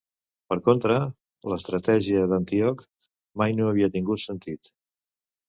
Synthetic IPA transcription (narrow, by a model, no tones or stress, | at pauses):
pəɾkont̪ɾə | ləst̪ɾət̪ɛʒiəðənt̪iɔk | majnoəβiət̪iŋɡut̪sənt̪it̪